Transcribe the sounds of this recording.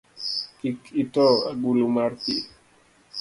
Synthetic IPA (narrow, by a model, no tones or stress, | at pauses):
kikitɔaɡulumaɾti